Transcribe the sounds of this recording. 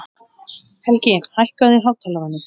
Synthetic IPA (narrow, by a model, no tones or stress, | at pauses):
hɛlcɪhajhkaðɪɾɦawt̪ʰɛjlavanːɪ